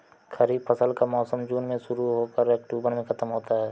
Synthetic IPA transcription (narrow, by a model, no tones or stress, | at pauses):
xɐɾiːbfʰəsəlkamɔːsəmd͡ʒuːnmẽʃʊɾuɦokəɾɛk̚ʈuːbəɾmẽxʰɐt̪əmɦoːt̪aɦɛː